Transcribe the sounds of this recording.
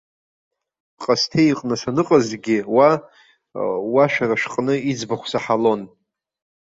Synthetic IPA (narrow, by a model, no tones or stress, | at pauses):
qʼastʰejqʼnɨsanɨqʼazɡʲɪwa | waʃᶣaraʃqʼnɨid͡zbaχʷsaħalo̞n